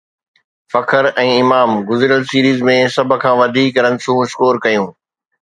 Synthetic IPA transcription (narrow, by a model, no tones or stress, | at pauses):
fɐkʰəɾɛ̃ːɪmaːmɡʊzɪɾjəlsiːɾiːzmẽsɐb̆ʱkʰãːʋɐd̪ʱiːkɾɐ̃nsũːɪskoːɾkɐjũː